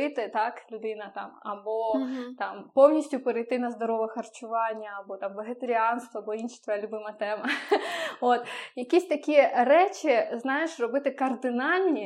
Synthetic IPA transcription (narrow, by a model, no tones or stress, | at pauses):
ɪt̪ɪt̪ɑklʲʊd̪ɪnɐt̪ɑ̰mɐ̰bɔt̪ɑmpɔwnʲisʲtʲʊpeɾɐjt̪ɪnɐzd̪ɔɾɔʋɐxɐrt͡ʃʊʋɑnʲːɐɐbɔt̪ɑmʋeɦet̪ɐɾʲiɑnst̪ʋɐɐbɔinʃɪ̥t̪ʋɔjɛlʲʊbɪmɐt̪ɛmɐ | ot̪jɐkʲisʲt̪ɐkʲijɛrɛt͡ʃʲɪznɑjeʃrɔbɪt̪ɪkɐrd̪ɪnɑlʲnʲi